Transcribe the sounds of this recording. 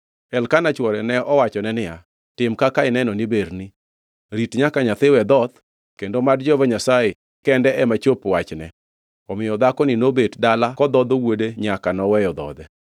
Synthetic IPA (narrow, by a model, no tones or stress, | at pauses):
ɛlkanat͡ʃwɔɾɛnɛʔɔwat͡ʃɔnɛnɪja | tɪmkakaɪnɛnɔnibeɾni | ɾitɲakaɲat̪ɪwɛd̪ɔd̪ | kendomadd͡ʒɔvaɲasaje | kɛndɛɛmat͡ʃopwat͡ʃnɛ | ɔmɪjɔd̪akɔnɪnobetdalakɔd̪ɔd̪ɔwodeɲakanɔwɛjɔd̪ɔ̰d̪ɛ